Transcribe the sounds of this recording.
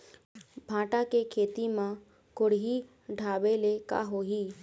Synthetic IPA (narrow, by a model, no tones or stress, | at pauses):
bʱãːʈakekʰeːt̪imã | kʊɽɦi | ɖʱaːbeleka̰ɦoɦiː